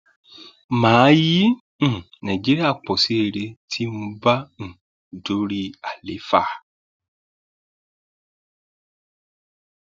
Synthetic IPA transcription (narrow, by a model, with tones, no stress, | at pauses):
mãː˨˦jĩ˦˨ | nã˨d͡ʒi˦ɾi˦a˦˨k͡pɔ˨si˦e˧ɾe˧tʰi˦mũ˧bã˦˨ | do˨˦ɾi˦a˨le˨˦fa˦˨